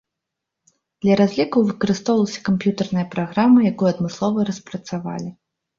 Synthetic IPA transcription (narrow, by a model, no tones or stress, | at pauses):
d̪̥lʲɐɾazʲlʲikɐwvɨkɐɾɨst̪ɔwlˠɐsʲɐ̥kampjut̪ɐrnɐjɐpɾaɣɾamɐjakɔjɐd̪mɨslˠɔvɐɾɐspɾɐt̪sava̰lʲi